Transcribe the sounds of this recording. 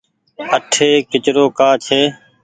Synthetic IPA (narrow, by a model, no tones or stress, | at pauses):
əʈʰeːkɪt͡ʃɾoːkaːt͡ʃʰeː